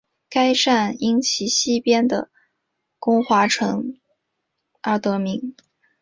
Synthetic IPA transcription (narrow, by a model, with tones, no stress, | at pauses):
ka˥ɪʂa˥˩ni˥ŋt͡ɕʰi˧˥ɕi˥˩pjɛ˥nd̪ə̰˨˩ | kʊ˥ŋxwa˧˥ʈ͡ʂʰɤ˧˥ŋ | ə˞˧˩t̪ɤ˧˥mi˧˥ŋ